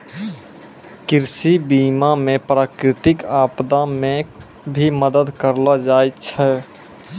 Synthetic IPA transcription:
kɪɾsibiːmamẽpɾaːkɾɪt̪ɪkaːpd̪amẽ | bʱiməd̪əd̪kəɾlad͡ʒaːjt͡ʃʰɛ

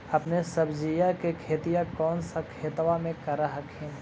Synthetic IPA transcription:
ɐpnesəbd͡ʒijakekʰeːt̪ijakɔːnsakʰeːt̪wamẽkɐɾaɦəkɦɛ̃

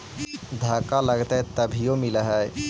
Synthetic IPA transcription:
d̪ʱakaləɡt̪əɦɛt̪əbʱijomiləɦɛj

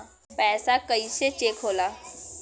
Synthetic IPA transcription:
pɛːsakəiset͡ʃeːkʰɦoːlaː

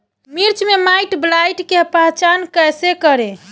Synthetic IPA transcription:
miɾt͡ʃmemajʈblajʈkepaɦt͡ʃankəjsekəɾe

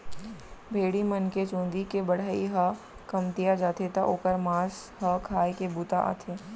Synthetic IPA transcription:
bʱeːɽimənket͡ʃõːnd̪ikebɐɽ̤aːiɦa | kɐmt̪ijad͡ʒaːt̪ʰet̪aʔoːkəɾmaːsɦakʰaːjkebut̪aʔa̰ːt̪ʰeː

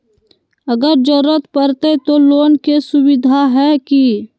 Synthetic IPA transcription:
əɡəɾd͡ʒoɾət̪pəɾt̪et̪oloːnkesʊwɪd̪ʱaɦɛki

